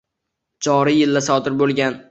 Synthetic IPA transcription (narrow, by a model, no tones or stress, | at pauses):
d͡ʒɒɾɪjɪlːasɒd̪ɪɾbolˠɡʲan